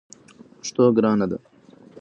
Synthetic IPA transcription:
pʊ̥ʂt̪oːɡɾɑːnɐd̪ɐ̰

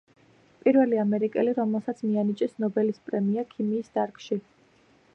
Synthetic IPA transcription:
pʼiɾvɛliamɛɾikʼɛliɾɔmɛlˠsat̪sʰmianit͡ʃʼɛsnɔbɛlispʼɾɛmiakʰimiːsd̪̥aɾkʼʃi

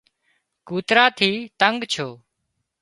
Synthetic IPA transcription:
kuːt̪ɾaːt̪ʰiːt̪əŋɡt͡ʃʰoː

